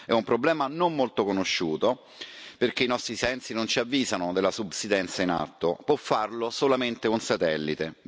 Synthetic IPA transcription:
ɛumpɾoblɛːmanomːolt̪okonoʃːuːt̪o | perk̟einɔst̪ɾisɛnt̪sinont͡ʃiavːiːzanod̪elːasubsid̪ɛnt̪saina̰t̪ːopwɔfːarlosolament̪ekonsat̪ɛlːit̪e

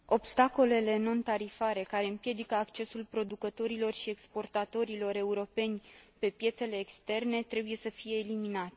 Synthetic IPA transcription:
o̞bst̪ako̞le̞le̞no̞nt̪aɾifaɾe̞kaɾe̞ɨmpje̞d̪ikəakt͡ʃe̞sulpɾo̞d̪ukət̪o̞ɾilo̞rʃie̞kspo̞rt̪at̪o̞ɾilo̞ɾe̞uɾo̞pe̞nʲpe̞pje̞t̪se̞le̞ːkst̪e̞rne̞t̪ɾe̞buje̞səfije̞ːliminat̪e

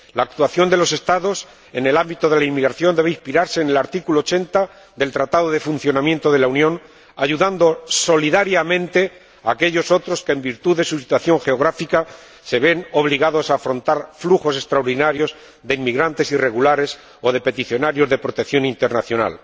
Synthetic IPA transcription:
laːk̚t̪waθjo̞nd̪e̞lo̞se̞st̪aðo̞s | e̞ne̞lambit̪o̞ðe̞laimmiɣɾaθjo̞nd̪e̞βeispiɾaɾse̞ːne̞laɾt̪ikulot͡ʃe̞nt̪a | ðe̞lt̪ɾat̪aðoðe̞fun̟θjo̞namjẽ̞nt̪o̞ð̞e̞launjõ̞n | aʝuðand̪o̞so̞liðaɾjamẽ̞nt̪e̞ | aːke̞ʎo̞so̞t̪ɾo̞skembiɾt̪uðe̞susi̥t̪waθjo̞ŋxe̞o̞ɣ̞ɾafika | se̞βe̞no̞β̞liɣaðo̞saːfɾo̞nt̪aɾfluxo̞se̞st̪ɾaoɾðinaɾjo̞z | ðe̞imiɣɾant̪e̞sire̞ɣulaɾe̞s | o̞ðe̞pe̞t̪iθjo̞naɾjo̞zðe̞pɾo̞t̪eθjo̞nint̪e̞ɾnaθjo̞na̰l

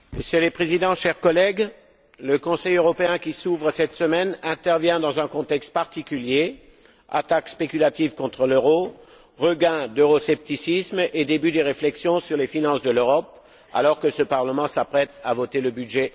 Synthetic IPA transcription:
meʃelepχezid̪ɑ̃ʃɛʁkɔlɛɡ | ləkɔ̃sɛjøʁɔpeɛ̃kʲisuvʁəsɛt̪səmɛnɛ̃t̪ɛʁvjɛ̃d̪ɑ̃zɛ̃kɔ̃t̪ɛkst̪̚paʁt̪ikʲylje | a̰t̪akspekʲylat̪ivkɔ̃t̪χəløʁo | ʁəɡɛ̃d̪øʁɔsɛp̚t̪isismed̪ebyd̪eʁeflɛksjɔ̃syʁlefinɑ̃sd̪əløʁɔp | a̰lɔʁkəsəpaʁləmɑ̃sapχɛt̪avɔt̪eləbyd̪ʒɛ

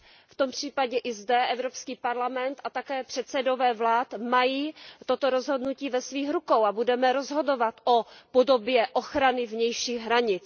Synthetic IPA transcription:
ft̪ompr̝̥iːpaɟɛʔɪzdɛʔɛvɾo̞pskiːpaɾlamɛnt̪at̪akɛːpr̝̥ɛt̪sɛdo̞vɛːvlaːt̪majiːt̪ot̪o̞ɾo̞zɦo̞dnuciːvɛsviːxɾukowabudɛmɛɾo̞zɦo̞do̞vat̪ʔopodo̞bjɛʔoxɾanɪvɲɛjʃiːɣɦɾaɲɪt͡s

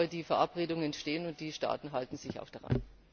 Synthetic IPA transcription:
ɐdiːfɛɐʔapʁeːdʊŋəɛntʃteːənʊnt̚d̥iːʃta̰ːtn̩ɦaltn̩zɪça̰ʊxd̥aʁa̰n

